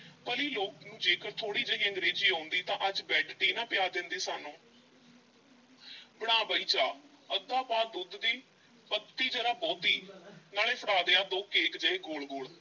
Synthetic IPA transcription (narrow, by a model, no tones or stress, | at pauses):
pəliːloːknũːd͡ʒeːkəɾt̪ʰoːɽiːd͡ʒəiːə̃ŋɡɾeːd͡ʒiːɦõːnd̪iːt̪ãːʔəd͡ʒbɛːʈʰɖiːnaːpɪjaːd̪ɪ̃nd̪iːsaːnũː | bəɽ̃aːbəiːt͡ʃaː | əd̪ãːpaːd̪ʊd̪d̪iː | pət̪ːiːd͡ʒəɾaːbɔːt̪iːnaːleːpʰəɽaːd̪eːaːd̪okːeːkd͡ʒəeːɡoːlɡoːɭ